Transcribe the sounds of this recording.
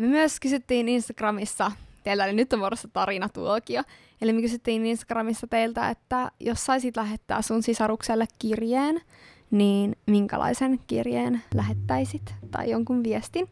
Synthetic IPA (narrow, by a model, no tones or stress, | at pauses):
mømyøskysyt̪ːiːninst̪ɑɡ̥rɑmisːɑt̪eilt̪æolinyt̪ːomoɾost̪ɑt̪ɑɾinɑt̪ṵokiɑ | elimekysyt̪ːiːninst̪ɑ̥ɡ̥rɑmisːɑt̪eilt̪æḛt̪ːæjossɑisit̪læɦet̪ːæ̰ːssunsisɑɾukselːekkirjeːn | niːnmiŋkæ̰lʔɑ̰isenkḭrjḛːnlæɦet̪ːæisit̪t̪ɑ̰ijoŋkunʋiest̪in